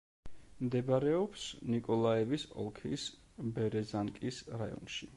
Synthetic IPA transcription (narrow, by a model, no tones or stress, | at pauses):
md̪ɛbaɾɛɔpsnikʼɔlˠaɛvisɔ̰lˠkʰḭs | bɛɾɛzaŋkʼisɾaɔ̰nʃi